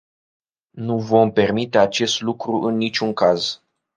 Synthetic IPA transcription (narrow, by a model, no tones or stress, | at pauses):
nuvo̞mpe̞rmit̪e̞at͡ʃe̞st̪lukɾuʔɨnːit͡ʃʲuŋkaz